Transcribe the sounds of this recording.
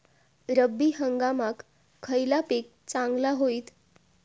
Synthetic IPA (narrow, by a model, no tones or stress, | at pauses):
ɾəbːiːɦəŋɡamakʰː | əjlapek̚ | t͡sãŋɡlaɦoiːt̪